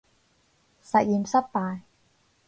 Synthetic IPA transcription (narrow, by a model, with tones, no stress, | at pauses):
sɐ˨˩jiː˨˩msɐ˥p̚paː˧j